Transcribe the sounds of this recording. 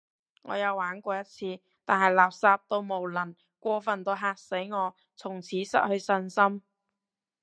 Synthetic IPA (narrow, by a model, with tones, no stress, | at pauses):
ŋɔ̰ː˨˧jɐ˨˧wːaː˨˥nkʷɔː˧jɐ˥t̚t͡sʰiː˧ | t̪aː˨˩nɦɐ˨jlaː˨˩p̚saː˧p̚t̪o˥˧wmo˨wlɐ˨˩n | kʷɔː˧fɐ˨nt̪o˧wɦaː˧t̚se˨˥jŋɔː˨˧ | t͡sʰʊ˨˩ŋt͡sʰiː˨˥sɐ̰˥t̚hɵ˧ɥsɵ˧nsɐ˥m